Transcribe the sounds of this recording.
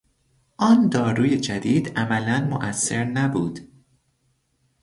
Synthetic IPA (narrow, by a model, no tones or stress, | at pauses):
ʔɒːnd̪ɒːɾuːje̞d͡ʒæd̪iːd̪ʔæmælænmoʔæsːe̞ɾnæbuːd̪̥